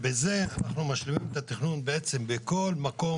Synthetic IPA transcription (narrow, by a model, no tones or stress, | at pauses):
beze̞anaχnumaʃlemimet̪at̪iχnunbeet͡sembeko̞lmako̞